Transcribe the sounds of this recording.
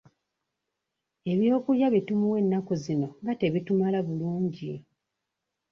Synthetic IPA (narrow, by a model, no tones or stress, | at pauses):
e̞βjo̞ːkuljaβitumuwe̞nːakozino̞ŋɡate̞βitumalaβuluːɲɟi